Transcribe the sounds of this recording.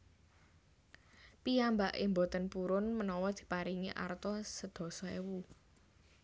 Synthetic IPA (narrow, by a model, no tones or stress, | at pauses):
piambaʔḛmbot̪ənpuɾʊnmənɔwɔd̪̥i̥̤paɾiŋiʔa̰rt̪ɔsəd̪̥ɔ̤sɔewu